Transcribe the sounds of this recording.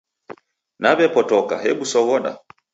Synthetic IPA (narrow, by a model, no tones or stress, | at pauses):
naβɛpɔtɔka̰ɦɛɓusɔɣɔɗa̰